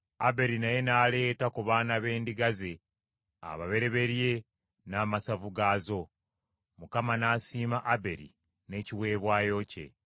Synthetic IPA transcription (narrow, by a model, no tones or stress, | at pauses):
abe̞ɾinaje̞naːle̞ːtakuβaːnaβe̞ːndiɡaze̞ | a̰βaβe̞ɾe̞βe̞ɾje̞ | naːmasavuɡaːzo̞ | mukamanaːsiːmaʔabe̞ɾḭ | ne̞ciwe̞ːβwaːjo̞ce̞̰